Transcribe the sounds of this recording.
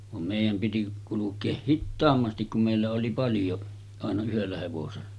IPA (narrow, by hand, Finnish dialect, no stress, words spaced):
ʋɑm meˑijæm piti kulukˑeːh hitːɑːmːɑstik kum meˑilːæ oli pɑljo ɑˑenɑ yhelːæ heʋoselːɑ